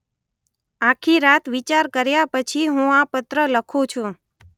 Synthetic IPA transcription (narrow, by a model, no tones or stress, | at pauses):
ãkʰiɾat̪ʰʋit͡ʃaɾkəɾjapət͡ʃʰiɦũapət̪ɾələkʰũt͡ʃʰũ